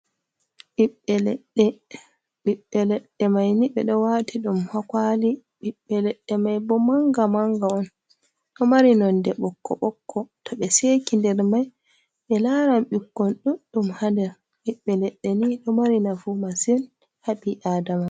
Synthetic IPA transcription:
ɓiɓːɛlɛɗɛ | ɓiɓːɛlɛɗːɛmajniɓɛɗɔwatiɗumhakali | ɓiɓːɛlɛɗːɛmajbɔmaŋɡamaŋɡaɔn | ɗɔmaɾinɔndɛɓɔkːɔ̰ɓɔkːɔtʰɔɓɛseːkindɛɾmaj | ɓɛlaːɾamɓikːɔnɗuɗumhandɛɾ | ɓiɓːɛlɛɗːɛniɗɔmaɾinafumasɛn | haɓiʔaːdama

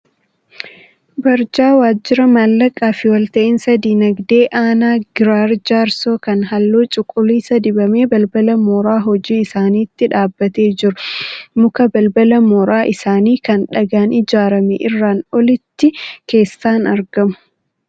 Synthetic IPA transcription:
bɐɾd͡ʒaːwaːd͡ʒːɪɾɐmalːɐkʼaːfɪwɐlt̪ɐʔɪnsɐd̪iːnɐɡd̪e̞ːʔaːnaːɡɪɾaːɾd͡ʒaːɾso̞ːkɐnɦɐlːoːt͡ʃʼʊkʼːʊliːsɐd̪ɪbɐmeːbɐlbɐlɐmɔːɾaːɦɔd͡ʒiːɪsaːniːt̪ːɪᶑaːbːɐt̪e̞ːd͡ʒɪɾʊmʊkɐbɐlbɐlɐmɔɾaːʔɪsaːniːkɐnᶑɐɡaːnɪd͡ʒaːɾɐmeʔɪrːaːnɔlɪt̪ːɪke̞ːsːaːnɐɾɡɐmʊ̥

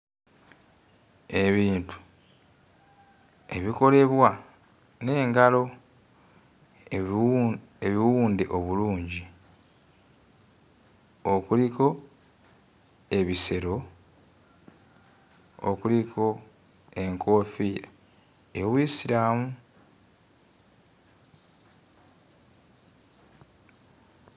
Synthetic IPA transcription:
e̞βiːntu̥ | e̞βiko̞le̞βwa | ne̞ːŋɡalo̞ | eβiwuːndeʔoβuluːɲɟi | okuliko̞ | e̞βise̞ɾo̞ | o̰kulikʰo̞ | e̞ŋkʰo̞ːfi | eβwisiɾaːmu

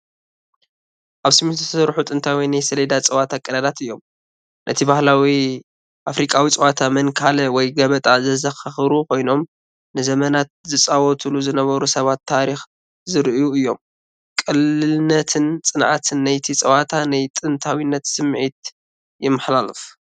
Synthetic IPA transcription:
ʔaβsɨmit̪ɨssɨɾħut̪ʼɨnt̪ʰawinajsɐlɐd̪at͡sʼɐwat̪ʰakʼːɐɾɐd̪at̪ɨjːo̞m | nʔɐt̪ʰibahlawi | ʔafɾikʼawit͡sʼɐwat̪ʰamɐnkʰalɐwɔjɡɐβɐt̪ʼazɐzɐxɐxɨɾukʰo̞jno̞m | nɨzɐmɐnat̪̚zɨt͡sʼawɔt̪ʰuluzɨnɐβɐɾusɐβat̪ʰːaɾix | zɨɾʔjuɨjːo̞m | kʼɨlɨlnːɐt̪ʰɨnt͡sʼɨnʔat̪ʰɨnːajt̪ʰit͡sʼɐwat̪ʰanajt̪ʼɨnt̪ʰawinːɐt̪sɨmːʕit̪ | jɪmːɨħlalɨf

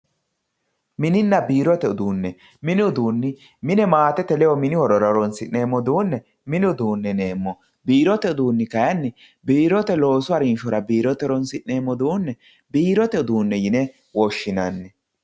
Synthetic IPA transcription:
mɪnɪnːɐbiːɾɔt̪ɛʊd̪uːnːɛ | mɪnɪʊd̪uːnːɪ | mɪnɛmaːt̪ɛt̪ɛlɛjɔmɪnɪhɔɾɔɾɔɾɔnsɪnne̞ːmːɔd̪uːnːɛ | mɪnɪʊd̪uːnːɛne̞ːmːɔ | biːɾɔt̪ɛʊd̪uːnːɪkɐjɐnːɪ | biːɾɔt̪ɛlo̞ːsʊɐɾɪnʃɔɾɐbiːɾɔt̪ɛɾɔnsɪʔne̞ːmːɔd̪uːnːɛ | biːɾɔt̪ɛʊd̪uːnːɛjɪnɛ | wɔʃːɪnɐnːɛ

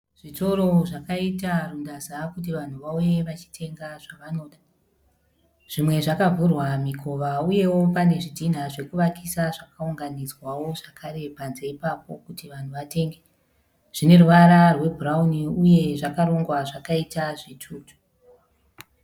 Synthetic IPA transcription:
ʐ̥ito̞ɾo̞ʐakaitarundazakut̬iʋan̤uʋaujeʋat͡ʃi̥tʰe̞ŋɡaʐ̥aʋano̞ːɗa | ʐ̥imwe̞ʐakavurwamikʰo̞ʋauje̞wo̞pane̞ʐidʱin̤aʐe̞kuʋakisaʐakauŋɡanid͡zwawo̞ʐakʰaɾe̞panzeipapo̞kutiʋan̤uʋate̞ːŋɡe | ʐ̥ine̞ruʋaɾarwe̞brauniuje̞ʐakaɾo̞ŋɡwaʐakaitaʐitʰuːtu̥

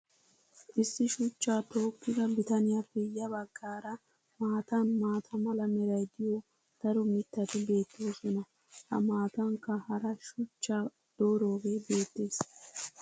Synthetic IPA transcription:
ʔɪsːɪʃʊt͡ʃːaːt̪o̞ːkːɪɡ̪ɐbɪt̪ɐnɪjafːɛjɐbɐɡːaːɾɐ | maːt̪ɐnmaːt̪ʰɐmɐlɐmɛɾɐjd̪ɪjo | d̪̥ɐɾʊmɪt̪ːɐt̪ɪbe̞ːt̪ːɪɔsɔnɐ | hɐ̰maːt̪ɐŋkːɐhɐɾɐʃʊt͡ʃːaː | d̪̥oːɾo̞ːɡe̞ːbe̞ːt̪ːeːs

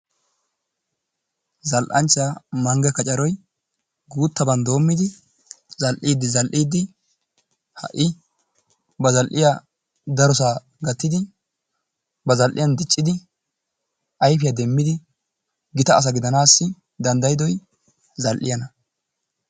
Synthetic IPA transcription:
zɐlʔɐnt͡ʃːaːmɐŋɡɛkɐt͡ʃʼɐɾɔj | ɡuːt̪ːɐbɐnd̪o̞ːmːɪd̪ɪ | zɐlʔiːd̪ːɪzɐlʔiːd̪ːɪ | hɐ̰ʔɪ | bɐzɐlʔɪja | d̪ɐɾɔsaː | ɡɐt̪ːɪd̪ɪ | bɐzɐlʔɪjɐnd̪ɪt͡ʃʼːɪd̪ɪ | ʔɐjfɪjɐd̪ɛmːɪd̪ɪ | ɡɪt̪ɐːs̬ɐɡɪd̪ɐnaːsːɪ | d̪ɐnd̪ɐjɪd̪ɔj | zɐlʔɪ̰jɐnɐ

